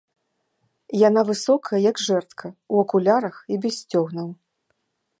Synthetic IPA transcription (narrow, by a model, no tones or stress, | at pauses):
janavɨsɔkʰɐjɐjɐɡʐɛrt̪kʰɐuɐkulʲaɾɐxibʲɛsʲt͡sʲɔɣnɐw